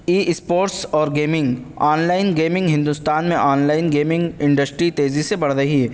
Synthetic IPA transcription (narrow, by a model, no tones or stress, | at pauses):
iːʔspoːɾʈsɔːɾɡeːmɪ̃ŋɡ | aːnlaːɪnɡeːmɪ̃ŋɡɦɪ̃nd̪ust̪aːnmẽʔaːnlaːɪnɡeːmɪ̃ŋɡɪ̃ɳɖəsʈɾit̪eːzisebɐɽ̤ɾɐɦiɦɛː